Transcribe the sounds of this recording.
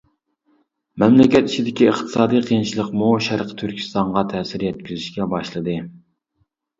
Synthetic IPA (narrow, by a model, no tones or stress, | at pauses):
mɛmlɪkʲɛt̪it͡ʃʰid̪ɪkʲiəχt̪ʰɨ̥sɑːd̪ijqʰijnt͡ʃʰilˠəqmuʃæɾqʰə̥t̪ʰyɾkʲʰi̥st̪ɑɴʁɑt̪ʰɛːsɪɾjɛt̪̚kʲizɪʃkʲɛbɑʃlˠɨd̪ɨ